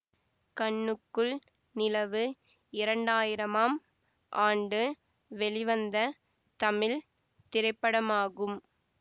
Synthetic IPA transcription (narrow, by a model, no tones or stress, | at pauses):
kɐɳːɯkːɯɭ | nɪlɐʋɯ | ɪɾɐɳɖaːjɪɾɐmaːm | ʔaːɳɖɯ | ʋɛɭɪʋɐnd̪ɐ | t̪ɐmɪl | t̪ɪɾɐɪpːɐɽɐmaːɣɯm